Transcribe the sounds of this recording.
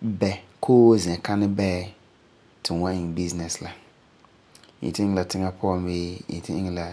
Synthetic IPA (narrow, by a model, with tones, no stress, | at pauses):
bɛ˨kʰoː˦zɪ̃˨ɛ˨ka˦nɪ˦bɛː˦ | tʰɪ˨wã˦ʔɪ˨bi˦znɛ˨sla˨ | ḭ˨tɪ˦ɪ˦ŋ˦la˨tɪ˦ŋa˦pʰʊ˦ɔ˨mbeː˦jḭ˨tɪ˦ɪ˦ŋ˦la˨